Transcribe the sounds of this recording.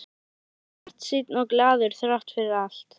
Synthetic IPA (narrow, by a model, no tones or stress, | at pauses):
ar̥t̪sit̪nɔɣklaːðʏɾ̥θɾaht̪fɪɾɪɾal̥t̪